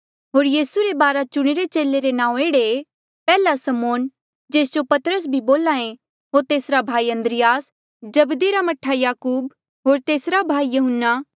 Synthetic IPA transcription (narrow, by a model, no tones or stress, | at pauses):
ɦoːɾjiːsuɾebaːɾat͡ʃʊɽ̃eɾet͡ʃeːleɾenãːũeːɽe | pɛːlasɐmoːn | d͡ʒeːsd͡ʒopɐt̪ɾəs̬bʱiboːlaːẽ | ɦoːɾt̪eːsɾabʱaːiɐ̃nd̪ɾɪjaːs | d͡ʒɐbd̪iɾamɐʈʰːajaːkuːb | ɦoːɾt̪eːsɾabʱaːijɐɦənːaː